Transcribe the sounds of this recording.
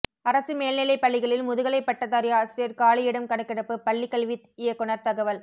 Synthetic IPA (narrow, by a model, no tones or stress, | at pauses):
ɐɾɐsɯmeːlnɪlɐɪpːɐɭːɪɣɐɭɪlmʊðɯɣɐɭɐɪpːɐʈːɐt̪ːɐɾɪjaːsɾɪjɐɾkaːɭɐɪjɪɽɐmkɐɽɐkːɪɽɐpːɯpɐɭːɪkːɐɭʋit̪ɪjɐkːʊɳɐɾt̪ɐɣɐʋɐl